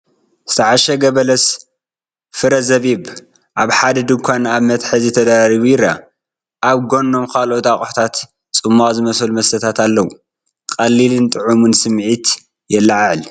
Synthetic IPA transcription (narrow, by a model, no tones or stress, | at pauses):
sɨ̥t̪ʰɐʕaʃɐɡɐβɐlɐs | fɨɾɐzɐβiβ | ʔaβħad̪ɐd̪ɨŋkʷʰanaβmɐt̪ħɐzɨt̪ʰɐd̪aɾaɾiβujɪɾa | ʔaβɡo̞nːo̞mkʰalot̪ʼakʼħt̪ʰat̪ | t͡sʼɨmːazɨmɐsɐlmɐsɐt̪ʰat̪alːɐwu | kʼɐlːilɨnt̪ʼɨʕumunsɨmʕit̪ | jɛlːaʕʕl